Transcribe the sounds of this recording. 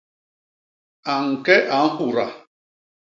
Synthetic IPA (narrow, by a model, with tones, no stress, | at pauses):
a˨ŋ̩˨ke˦ʔa˨n̩˦ɦʊ˨ɾa˨